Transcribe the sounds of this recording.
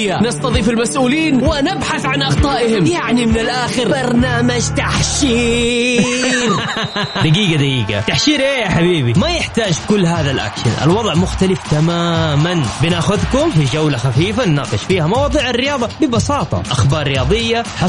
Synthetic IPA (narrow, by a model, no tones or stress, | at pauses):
jːanɑst̪ɑðˤiːfɪlmasʔuːliːnwɪnɪbħaθʕanʔɑɣt̪ˤɑːʔɪhɪmjaʕnimɪnɪlʔaːxɪɾbɑɾˤnaːmad͡ʒt̪aħʃiː | ɾ | d̪aɡiːɡad̪aɡiːɡa̰t̪aħʃiːɾʔeːjaħabiːbimajɪħt̪aːd͡ʒkʊlːɦaːðalʔa̰kʃɪnʔɪ̰lwɑðˤʕmʊxt̪alɪft̪amaːmanbɪnaːxʊðkʊmfid͡ʒawlaxafiːfanːaːqɨʃfiːhamɑwɑːðˤiːʕɪrːɪjɑːðˤɑbɪbɑsɑːt̪ˤɑ̰ʔaxbɑːɾˤːɪjɑːðˤɨjːaħɑ